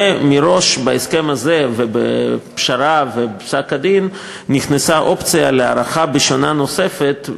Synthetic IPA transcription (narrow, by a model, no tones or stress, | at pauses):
emiɾo̞ʃbaeskemazevebḛpʃaɾavesakad̪inː | iχnesaʔo̞pt͡sijalea̰ɾaχabeʃonanose̞fet̪